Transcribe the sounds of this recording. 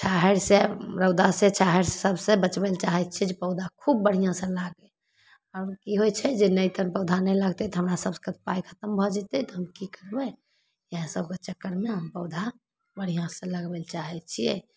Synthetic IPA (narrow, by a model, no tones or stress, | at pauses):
ʃaɦeɾseɾəʊd̪asẽt͡ʃaɦəɾsesəbsẽbət͡ʃbɛlt͡ʃaɦɛt̪̚t͡ʃʰiɛd͡ʒepəʊd̪ʱakʰubːəɽ̤ijãsẽlaɡe | aɾkiɦojt͡ʃʰɛd͡ʒenəjt̪ənpəʊd̪ʱanɛjlaɡt̪ɛt̪ɔɦəmɾasəbse̥kət̪̚ʰpajkʰət̪əmbʱɔd͡ʒɛt̪ɛt̪ɔɦəmkikəɾbɛ | jəɦãsəbket͡ʃəkːəɾmeɦəmpəʊd̪ʱa | bəɽ̤ijãsə̃ləɡbɛlt͡ʃaɦɛt̪t͡ʃʰijɛ̰